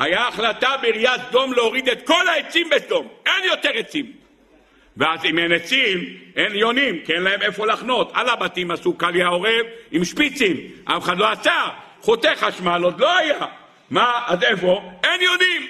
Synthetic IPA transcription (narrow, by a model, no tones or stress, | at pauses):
ajaːχlat̪abeiʁijatsd̪o̞mleoʁid̪et̪ko̞laet͡simbesd̪o̞menjo̞t̪eʁet͡sim | veazimenet͡simenjo̞nimkienlaemefo̞laχno̞t̪a̰labat̪imasukaliao̞ʁevimʃpit͡simʔa̰feχad̪lo̞asa | χot̪eχaʃmalod̪lo̞aja | maːzefo̞enjonim